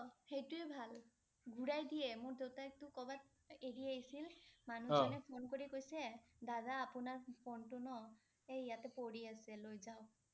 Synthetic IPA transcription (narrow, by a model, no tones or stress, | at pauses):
ɔhejtʊɛbʱal | ɡʱuɹajdijɛmʊɹdewtak̚tʊkɔbat | eɹiaɦisilmanuɔnɛpʰonkoɹikojsɛdadaːpʊnaɹpʰontʊnɔ | ejijatɛpoɹiasɛlojzaʊ